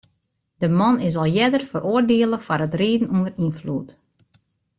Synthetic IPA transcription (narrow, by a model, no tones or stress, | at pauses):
d̥əmɑnɪs̬ɔlˠjɛdərfərʔoərdeəlˠəfaɾətreːdn̩undərinflṵt